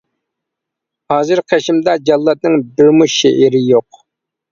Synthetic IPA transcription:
hɑːzɨɾqʰeʃimd̪ɑd͡ʒɑlˠːɑt̪̚nɨŋbɪɾmuʃeʔiɾɪjoq̚

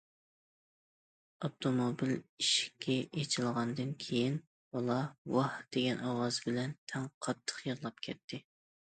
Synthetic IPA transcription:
ot̪ʰomobiliʃi̥kʲʰːɛet͡ʃʰɪlˠʁɑnd̪ɨnkʲʰejin | b̥ɑlˠɑwɑhd̪̥eɡʲɛnʔɑwɑzbɪlɛnt̪ʰɛŋqʰɑt̪ʰːə̥qjəʁlˠɑp̚kʲʰɛt̪ʰːɪ

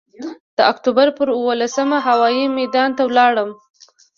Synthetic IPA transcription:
d̪̥əakt̪ubaɾpəɾuwolasəmaɦawɑjimad̪ɑnt̪awlɑɽəm

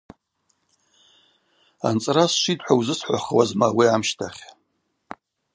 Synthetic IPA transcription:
a̰nt͡sʼrasʂitʼħʷawzɨsħʷa̰χwazmawiamʃtʰaχʲ

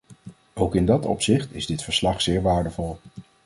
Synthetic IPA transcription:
owkɪndɑtɔ̰psɪχtɪ̰zdɪtfəɹslɑχsɪːɹʋaːɹdəvɔlˠ

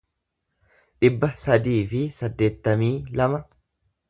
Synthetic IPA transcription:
ᶑɪbːɐsɐd̪iːfɪsɐd̪ːe̞ːt̪ːɐmiːlɐmɐ

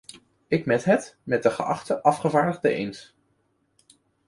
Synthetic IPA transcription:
ɪkmɛtɦɛtmɛt̚dəχəʔɑ̰χtəʔɑfχəvaːɹdəʁdəʔḛjns

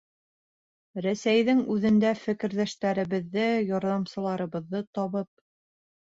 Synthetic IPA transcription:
ɾæsæjðɘŋʉðɘ̆nd̪æfɘ̆kɘ̆ɾðæʃt̪æɾɘ̆βɘ̆ðːɘjɒɾðɑmsɤ̆lˠɑɾɤ̆βɤ̆ðːɤt̪ɒβɤp̚

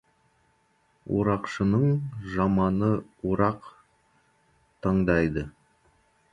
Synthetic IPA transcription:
ṵɾɑqʃənəɴʒɑmɑnəuɾɑq | t̪ʰəɴd̪ɑjd̪ə

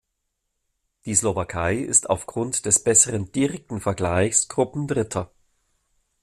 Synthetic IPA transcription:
d̥iːslovakʰaɪɪ̰stʰa̰ʊfɡ̥ʁʊntd̥ɛsb̥ɛsəʁənd̥iʁɛk̚tn̩fɛɐɡlaɪçsɡ̥ʁʊpm̩dʁɪtʰɐ

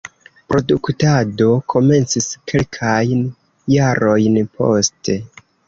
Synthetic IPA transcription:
pɾo̞duktado̞kʰo̞me̞nt͡siskʰe̞lkʰajn | jaɾʔo̞jnpʰo̞̰ste̞

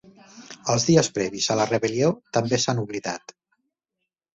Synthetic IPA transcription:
əlˠzðiəspɾɛβizələrəβəliot̪əmbesanuβliðat̪

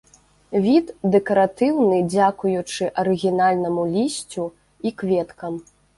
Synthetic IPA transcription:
vʲit̪d̪ɛkɐɾat̪ɨwnɨd͡zʲakujut͡ʂɨʔɐɾɨɣʲinalʲnɐmulʲisʲt͡sʲu | ikvʲɛt̪kɐm

